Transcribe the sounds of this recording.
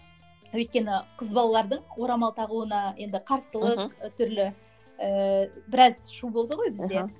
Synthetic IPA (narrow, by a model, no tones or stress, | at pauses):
wɵjt̪̚kʲe̞nɪqʰəzbɑlˠɑlˠɑɾd̪əɴwo̞ɾɑmɑlˠt̪ʰɑʁuənɑje̞nd̪ɪqʰɑɾsəlˠəqt̪ʰʏɾlɪ | əbɪɾɑzʃubo̞lˠd̪əʁo̞jbɪzzd̪e̞